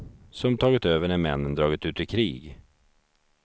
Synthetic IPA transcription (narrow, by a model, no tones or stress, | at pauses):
sɔmt̪ʰɑːɡɪt̪øːvəɳæmɛnːənd̪ɾɑːɡɪt̪ʉ̟ːt̪ɪkʰɾiːɡ